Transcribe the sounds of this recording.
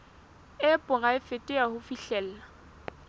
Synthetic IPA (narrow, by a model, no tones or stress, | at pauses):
ɛpʼʊɣaɪfetʼɪahʊfiɬɛːl̩la